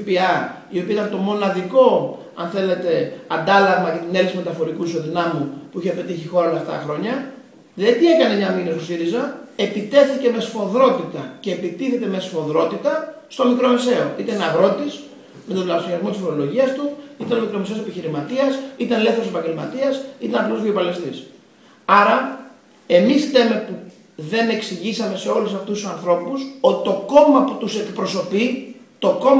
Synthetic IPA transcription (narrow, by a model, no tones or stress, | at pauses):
piɐ | io̞piɐit̪ɐnt̪o̞mo̞nɐðiko̞ | ɐ̰nθe̞le̞t̪e̞ɐnd̪ɐlɐɣmɐcet̪ineliksime̞t̪ɐfo̞ɾikuiso̞ðinɐmupuiçepe̞t̪içixo̞ɾɐoleɐft̪ɐ̰ɐxɾo̞ɲɐ | ðet̪ie̞kɐne̞mɲɐminest̪osiɾizɐe̞pit̪e̞θice̞me̞sfo̞ðɾo̞t̪it̪ɐceːpit̪iθe̞t̪e̞me̞sfo̞ðɾo̞t̪it̪ɐst̪o̞mikɾo̞mese̞o̞ʔit̪ɐnɐɣɾo̞t̪is | met̪od̪lɐsɾiɐzmot̪isfiɾo̞lo̞ʝiɐst̪uit̪ɐnomikɾomese̞o̞se̞piçiɾimɐt̪iɐsit̪ɐnle̞θeɾosepɐɲɟelmɐ̰t̪iɐsit̪ɐnɐpluzðio̞pɐlest̪is | ɐɾɐ | e̞mist̪eme̞pu | ðe̞ne̞ksiʝisɐme̞se̞o̞lusɐft̪ust̪ːusɐnθɾo̞pusot̪i̥t̪o̞ko̞mɐput̪use̞kpɾo̞so̞pit̪o̞ko̞